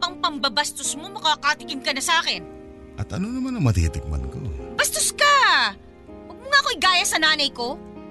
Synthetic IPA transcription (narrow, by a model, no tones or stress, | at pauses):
ɐŋpɐmbɐbɐst̪osmo̞mɐkakat̪ɪkɪmkɐnɐsaːkɛn | ʔɐt̪ɐnonɐmanɐŋmɐt̪ḭːt̪ɪk̚mɐ̰nko̰b̥ɐst̪oska | wɐɡ̚mʊŋaʔɐkoɪɡaːjɐsɐnaːnɐjko̞